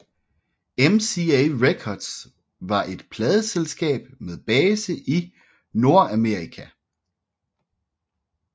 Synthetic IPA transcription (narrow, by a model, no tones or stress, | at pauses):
emsieʁekʰɒd̥s | ʋɑ̈ʔe̝d̥pʰlɛːð̞ˠəselsɡ̥ɛ̰ːb̥með̞ˠb̥ɛːsəʔi | no̝ɐæmeɐʁikʰæ